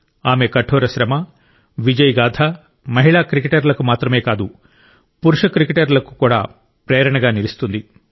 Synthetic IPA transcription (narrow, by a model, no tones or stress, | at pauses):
aːme̞kɐʈʰːoːɾɐʃɾɐmɐ | ʋid͡ʒɐjɡaːd̪ʰa | mɐɦiɭaːkɾikeʈɐɾlɐkumaːt̪ɾɐme̞ːkaːd̪u | puɾuʂɐkɾikeʈɐɾlɐku̥kuːɽa̰ː | pɾɛːɐɾɐɳɐɡaːnilist̪und̪i